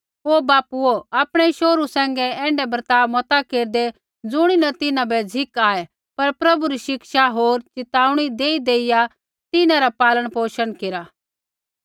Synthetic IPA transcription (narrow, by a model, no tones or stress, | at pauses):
oːbaːpuoaːpɽ̃ɛʃoːɾusɛ̃ːŋ̆ɡɛɛ̃ːɳɖɛbɐɾt̪aːʋmɔt̪akeːɾd̪e | d͡zʊɽ̃inɐt̪ɪnãbɛd͡zʱɪkaːɛ | pɐɾpɾɐbuɾiʃɪkʃaɦoːɾt͡ʃɪt̪aːuɽ̃id̪eːid̪eːɪja | t̪ɪnãɾapaːləɽ̃poːʃəɽkɪɾaː